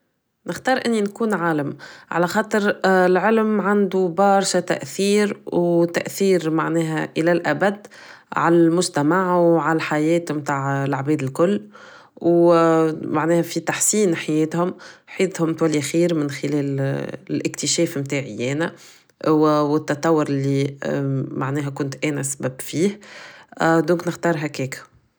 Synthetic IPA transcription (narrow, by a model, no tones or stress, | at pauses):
nəxt̪ɑːɾˤʔɪnːinkuːnʕaːləmʕa̰læxɑːt̪ˤɨɾɪlʕɪlmʕand̪ubɑːɾˤʃat̪æ̰ʔθiːɾwt̪æ̰ʔθiːɾmaʕnɛːɦæʔɪlælʔæbæd̪ː | ʕa̰lælmʊʒt̪æmaʕwʕalħajɛːt̪mt̪aːʕɪlʕabɛːd̪ɪlkʊlː | w | maʕnɛːhæfit̪aħsiːnħajɛːt̪hʊmħeːt̪hʊmt̪wælːixiːɾmɪnxɪlɛːlɪlʔɪkt̪ɪʃɛːfmt̪aːʕɪjɛːnæ | wɪt̪ːɑt̪ˤɑwːʊɾɪlːi | maʕnɛːɦækʊnt̪ʔɛːnæsæbæbfiːh | d̪õːŋknɪxt̪ɑːɾˤɦækɛːkæ̥